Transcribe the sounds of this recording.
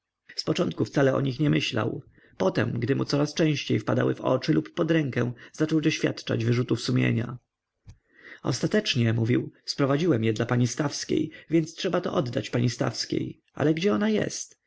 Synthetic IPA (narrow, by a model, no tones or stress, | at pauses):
spɔt͡ʂɔnt̪̚kuft̪salɛɔ̰ɲixɲɛmɘɕla̰w | pɔt̪ɛmɡd̪ɘmʔut̪sɔɾast͡ʂɛ̃ɕt͡ɕejfpad̪a̰wɘ̰vɔ̰t͡ʂɘlupːɔd̪ɾɛŋkɛw̃z̥at͡ʂɔwd̪ɔɕfʲja̰t̪t͡ʂa̰d͡ʑvɘʐut̪ufsumʲjḛɲa̰ | ɔ̰st̪at̪ɛt͡ʂɲɛmuvʲiwspɾɔvad͡ʑiwɛmjɛd̪lapaɲist̪afskʲḛjvʲjɛnt̪stʂɛbat̪ɔʔɔd̪ːat͡ɕpaɲist̪a̰fskʲḛj | ʔa̰lɛɡd͡ʑɛɔnajɛ̰st̪